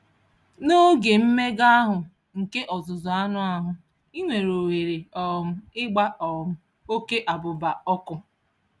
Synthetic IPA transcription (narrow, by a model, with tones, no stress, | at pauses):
no˦ɡe˨m̩˦me˦ɡa˦a˦ɦʊ˨ | ŋ̩˨ke˦ʔɔ˨zʊ˨zʊ˨a˦nʊ˦a˦ɦʊ˨ | i˦ŋʷe˨ɾo˨we˨ɾe˨ɔ˨m̩˦ɪ˦ɡ͡ba˦ɔ˨m̩˨˦ | o˦ke˦ʔa˨bʊ˨ba˨ɔ˦kʊ˦